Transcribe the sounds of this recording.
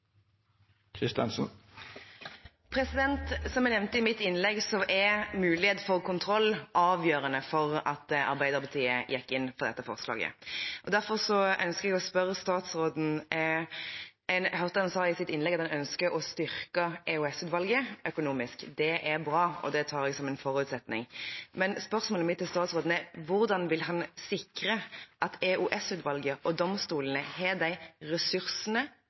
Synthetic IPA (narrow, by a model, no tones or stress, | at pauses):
kʰɾɪst̪ɑ̰nsn | pʰɾɛsɪd̪ɛnt̪sɔmænɛʋnt̪əɪmɪt̪ːɪnlɛɡsɔʔɛɾmʉːlɪheːt̪fɔʁkʊnt̪ʰɾɔlːʔɑːʋjøːɾənəfɔʁɑt̪ɑ̰ɾbæɪd̪əɾpɑt̪ʰiːəjɛkːɪnːfɔʁd̪ɛ̰t̪ːəfɔ̰ʁslɑ̰ːɡə̰ʔɔd̪æɾfɔʁsɔœ̰nskəʁɛɡɔspœɾːəst̪ɑːt̪sɾoːd̪n̩ | ɛɪnɦœʁt̪əɑnsɑːɪsɪt̪ːɪnlɛɡɑt̪hɑnœnskəɾɔst̪ʏɾkɑɛʉɛsʉːd̪ʋɑlɡəœkʊnuːmɪskd̪ɛʔæɾbɾɑːɔ̰d̪ɛt̪ʰɑːɾɛɡsɔmɛɪnfɔɾʉːt̪sɛt̪nɪ̰ŋmɛnspœʁsmoːləmɪt̪ʰːɪlst̪ɑːt̪sʁoːd̪n̩ɛʋʊʁd̪ɑnʋɪlɦɑnsɪkɾəʔɑt̪ʰɛʔʉʔɛsʉːd̪ʋɑlɡəʔɔd̪ɔmst̪uːlənəhɛd̪æɪɾɛsʉɾsənə